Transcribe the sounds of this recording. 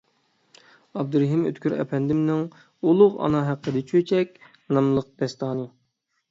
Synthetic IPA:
ɑb̚d̪uɾɦimø̰t̪kʲyɾɛ̰pʰɛnd̪ɪmnɪŋ | ulˠʊʁɑ̰nɑɦæqʰːəd̪ɪt͡ʃʰøt͡ʃʰɛkʲ | nɑmlˠəq̚d̪̥ɛst̪ʰɑːnɨ

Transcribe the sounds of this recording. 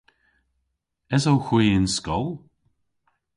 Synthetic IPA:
ɛzowxwiːɪnskɔlˠ

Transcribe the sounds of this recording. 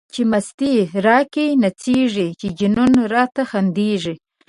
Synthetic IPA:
t͡ʃemast̪iɾɑkinat͡seʐit͡ʃed͡ʒɪnunɾɑt̪axand̪eʐi

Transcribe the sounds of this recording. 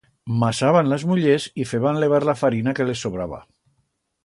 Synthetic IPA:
masaβanləzmuʎezifeβanleβ̞aɾlafaɾinakelesoβɾaβa̰

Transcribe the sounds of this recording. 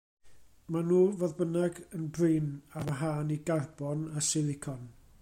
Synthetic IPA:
manuːvoðbənaɡənbrɨːnamɦaːniɡarbɔnasɪlˠɪkʰɔn

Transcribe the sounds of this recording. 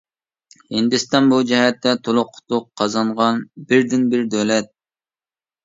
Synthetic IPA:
hɪnd̪ɪst̪ɑnbud͡ʒɛɦɛt̪ʰːɛt̪ʰolˠʊqʰːʊ̥t̪ʊqʰːɑzɑɴʁɑnbɪɾd̪ɪnbɪɾd̪ølɛt̪̚

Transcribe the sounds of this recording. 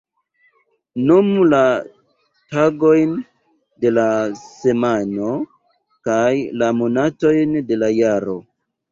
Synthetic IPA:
numla | taɡo̞jn | de̞lase̞mano̞ | kajlamonato̞jnde̞lajaɾo̞

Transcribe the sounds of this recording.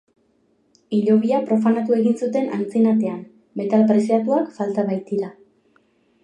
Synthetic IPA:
iʎo̞βiapɾo̞fanat̪ue̞ɣinsut̪e̞nʔa̰nt͡sinat̪e̞am | be̞t̪alpɾe̞siat̪uakfalt̪aβajt̪iɾa

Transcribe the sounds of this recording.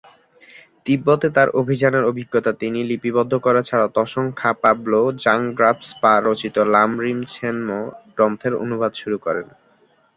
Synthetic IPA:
t̪ibːot̪et̪aɾobʱid͡ʑaneɾobʱiɡːot̪at̪inilipibɔd̪ʱːokɔɾat͡ɕʰaɾat̪ɔʃoŋkʰapablod͡ʑaŋɡɾabsbaɾot͡ɕit̪olamɾimt͡ɕʰenmoɖɾɔmt̪ʰeɾo̰nubʱad̪ʃuɾukɔɾḛn

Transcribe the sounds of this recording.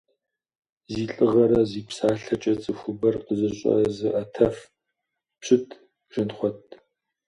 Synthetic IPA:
ziːɬʼɨʁɐɾɐziːpsaːɬɐt͡ʃʼɐt͡sʼɨxʷʊbɐrqəzɨɕʼɐ̰ɐzɨʔɐtʰɐf | pɕɨtʰ | ʒɨnχʷɔtʰʼ

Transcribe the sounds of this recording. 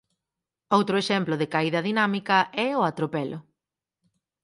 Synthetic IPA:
owt̪ɾʊeʃɛmplʊðɪkaiðɐðinamikɐʔɛʊat̪ɾopɛlʔʊ

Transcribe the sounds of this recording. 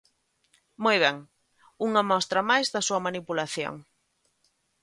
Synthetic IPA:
mɔjβ̞ɛŋ | uŋɐmɔst̪ɾɐmajzðɐsuɐmanipulaθjo̰ŋ

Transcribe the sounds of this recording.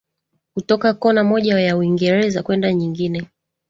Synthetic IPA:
kutɔkakɔnamɔʄajauiŋɡɛɾɛzakwɛndaɲiŋɡinɛ

